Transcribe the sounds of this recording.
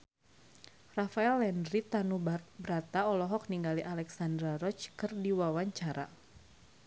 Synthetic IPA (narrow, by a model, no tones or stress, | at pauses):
rafaɛlːɛndɾit̪anubɾat̪aɔlɔɦɔk̚niŋɡaliʔalɛksandɾaɾɔt͡ʃkɨrdiwawaɲt͡ʃaɾa̰